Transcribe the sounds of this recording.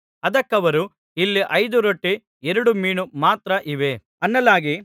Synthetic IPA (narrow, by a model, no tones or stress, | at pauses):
ɐd̪ɐkːɐʋɐɾu | ilːiʔɐjd̪uɾoʈːi | ɛɾɐɽumiːɳumaːt̪ɾɐʔiʋe̞ | ɐnːɐlaːɡi